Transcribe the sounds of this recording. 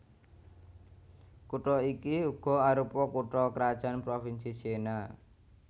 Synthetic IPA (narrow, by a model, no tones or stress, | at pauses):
kuʈɔikiuɡ̥ɔ̤aɾupɔkuʈɔkəɾad̥ʒ̥a̤npɾofinsisena